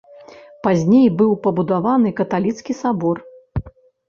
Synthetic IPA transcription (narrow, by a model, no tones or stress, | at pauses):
pazʲnʲejbɨwpɐbud̪avanɨkɐt̪alʲit̪skʲisabɔr